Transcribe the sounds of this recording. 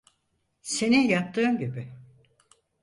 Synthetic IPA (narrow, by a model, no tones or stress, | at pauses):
se̞nijap̚t̪ʰɯːɯmɟibɪ